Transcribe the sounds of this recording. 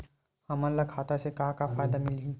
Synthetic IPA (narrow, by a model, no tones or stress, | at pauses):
hɐmalɐkʰaːt̪asekaːkafaːjd̪amɪlɦĩ